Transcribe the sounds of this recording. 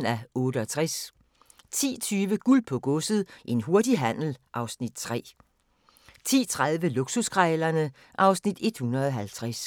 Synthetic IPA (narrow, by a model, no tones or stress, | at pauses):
næɔ̽ːɾəɒ̽t͡sʰʁas | t͡sʰḭːt͡sʰyːʋəɡ̥ulpʰɒ̽ɡ̥ɔsð̩ˠʔe̝nɦo̝ɐdiɦæn̰l̩ʔɑ̈ʊsnid̥̚t͡sʰʁɛ̰ː | t͡sʰḭːt͡sʰʁað̞ˠʋəluɡ̥susɡ̥ʰʁaɪlɐnə | ʔɑ̈ʊsnid̥e̝d̥hunɐðˠɒ̽ɦælt͡sʰʁas